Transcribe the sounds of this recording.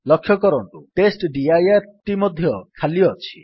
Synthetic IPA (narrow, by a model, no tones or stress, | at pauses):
lɔkʰjɔkɔɾɔɳʈ̪uʈesʈɖiajaɾʈimɔd̪ʱjɔkʰaliɔt͡ʃʰi̥